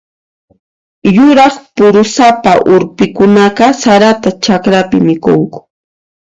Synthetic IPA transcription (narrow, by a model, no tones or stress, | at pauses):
jʊɾɑχpʊɾʊsapaʔʊɾpɪkʊnaqɑsaɾat̪at͡ʃakɾapɪmɪkoŋkʊ̥